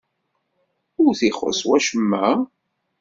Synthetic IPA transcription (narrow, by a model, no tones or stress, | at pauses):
ʊɾθiχə̰swæʃəmːæ